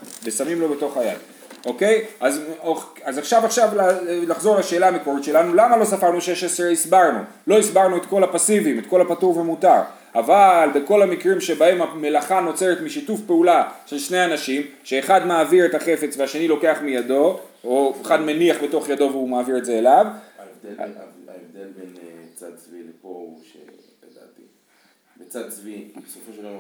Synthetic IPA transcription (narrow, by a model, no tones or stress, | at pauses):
vesamimlo̞be̞toχaja̰d | o̞ke̞jazoazaχʃavaχʃavlalaχzo̞ʁlaʃe̞ːlaameko̞ʁitʃe̞lanulamalo̞safaʁnuʃeʃeseisbaʁnṵ | lo̞isbaʁnuet̪ko̞lapasivimetko̞lapatuʁvemutaʁ | avalbeko̞lamikʁimʃe̞bahe̞mame̞laχano̞t͡se̞ʁet̪miʃitufpeulaʃe̞lʃne̞anaʃimʃe̞ːχadmaːviʁetaχefe̞t͡sveaʃe̞nilo̞ke̞aχmijado̞oeχadmeniaχbe̞to̞χjado̞veumaːviʁe̞tze̞ːlavevd̪ea̰evd̪elbent͡sa̰d̪̚t͡svilepoʃḛ | ed̪a̰t̪i | bet͡sad̚t͡svisofoʃ